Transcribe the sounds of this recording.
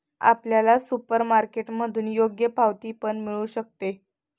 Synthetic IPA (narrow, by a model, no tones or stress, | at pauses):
a̰pljalasupəɾmaɾkeʈməd̪ʱuːnjoɡjəpaʋt̪iːpəɳmiɭuːɕək̚t̪e